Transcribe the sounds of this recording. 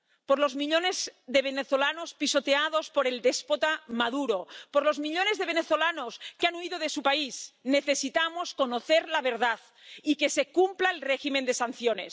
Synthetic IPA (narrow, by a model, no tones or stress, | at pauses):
poɾlozmiʎonezðeβ̞eneθolanospisot̪eað̞ospoɾeld̪espot̪amaðuɾopoɾlozmiʎonezðeβ̞eneθolanoskeanuiðoðesupaizneθesit̪amoskonoθeɾlaβ̞eɾð̞að | ikesekumplaelreximend̪esan̟θjonḛs